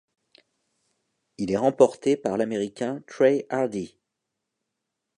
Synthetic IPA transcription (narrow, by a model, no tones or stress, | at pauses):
ilɛʁɑ̃pɔʁt̪epaʁlameʁikʲɛ̃t̪χɛaʁd̪i